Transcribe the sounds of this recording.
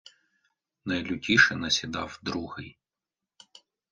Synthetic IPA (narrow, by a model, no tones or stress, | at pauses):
nɐjlʲʊtʲiʃɛnɐsʲid̪ɑwd̪ɾuhɪj